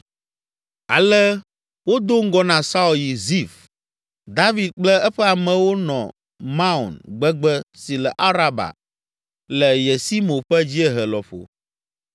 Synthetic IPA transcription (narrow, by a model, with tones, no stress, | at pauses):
a̰˨lɛ˦ | wo˦d̪o˦ŋ̩˦ɡɔ˦nã˨sa˦u˨lji˨zi˦˨f | d̪a˦vi˨d̪̚k͡plɛ˦ɛ˦ɸɛ˦a˨mɛ̃˨wo˦nɔ̰̃˨ | mã˦u˨nɡ͡bɛ˦ɡ͡bɛ˦si˨lɛ˨ʔa˦ɾa˦ba̰˨ | lɛ˨jɛ˨si˦mõ˨ɸɛ˦d͡ʑi˦ɛ˦ɦɛ˨lɔ˨ɸo̰˨